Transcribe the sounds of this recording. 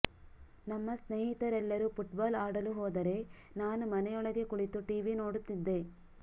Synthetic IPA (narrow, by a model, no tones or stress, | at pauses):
nɐmːɐsneːɦit̪ɐɾɛlːɐɾupuʈbaːlaːɽɐluɦɔːd̪ɐɾe̞ | naːnumɐnɛjɔɭɐɡe̞kuɭit̪ːuʈiːʋino̞ːɽut̪ːid̪ːe̞